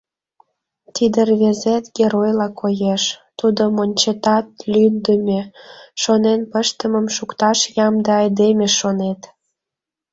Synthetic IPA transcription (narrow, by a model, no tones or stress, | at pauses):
t̪id̪ərβezet̪ɡʲeɾojlɑkʰojeʃt̪ud̪omonʲt͡ɕet̪ɑt̪̚lʲynd̪əmʲeʃonenpəʃt̪əməmʃukt̪ɑʃjɑmd̪eɑjd̪emʲeʃonet̪